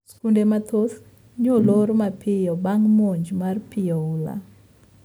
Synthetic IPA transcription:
skundemat̪ʰos | ɲoloɾmapʰɪjɔbaŋmoɲd͡ʒmarpɪɔla̰

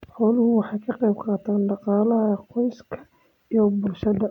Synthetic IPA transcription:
ħɔːlʊhʊwɑħɑjkʰɑqɛjb̚qɑːt̪ʰaːnɖɑqɑːlɐɦɐqɔjskʰɐ | ijɔbʊlʃɐd̪ɐ

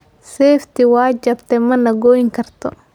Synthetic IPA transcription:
sɛːft̪iwaːd͡ʒɐbt̪ɛmɐnɐɡoːjiŋkɐrt̪ʰɔ̰

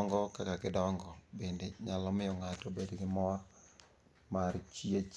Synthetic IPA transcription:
ŋɡɔkakakɪdɔŋɡɔbendeɲalɔmɪjɔŋatobedɡɪmɔr | maɾt͡ʃiet͡ʃ

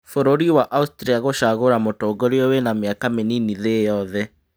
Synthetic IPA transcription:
foɾoɾiwaʔaustɾiaɣoʃaɣoɾamotoːɡoɾeɔwenameakameniniðejɔðɛ

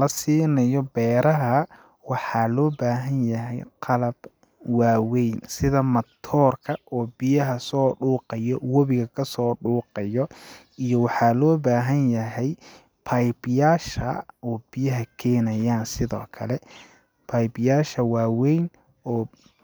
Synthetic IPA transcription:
lɐsiːnɐjɔbɛːɾɐɦɐ | wɑħɑːlɔːbaːɦɐnjɐɦɛjqʰɑlɐb̥ | waːwɛjnsɪðɐmɐt̪ʰɔːrkʰɐʔɔːbɪjɐɦɐsɔːɖuːqɑjɔwɔβɪɣɐkʰɐsɔːɖuːqɑjɔ | ijɔwɑħɑːlɔːbaːɦɐnjɐɦɛj | pʰɐjbjaːʃɐ̰ɔːb̥ɪjɐɦɐkʰɛːnɐjaːnsɪðɔ̰ːkʰɐ̰lɛ | pʰɐjbjaːʃɐwaːwɛjn | ɔː

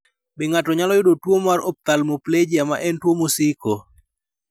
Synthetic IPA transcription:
bɪŋatɔɲalɔjʊdotwomaɾop̚t̪almopled͡ʒijamaʔɛntwomosiko

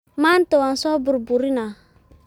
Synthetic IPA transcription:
mantowansɔbuɾbuɾina

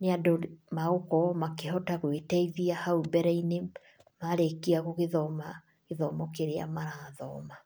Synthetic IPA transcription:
neadomaokɔmakeɦɔtaɣwetɛiðiahaubɛɾaine | maɾekiaɣoɣeðɔma | ɣeðɔmɔkeɾea̰maɾaðɔ̰ma

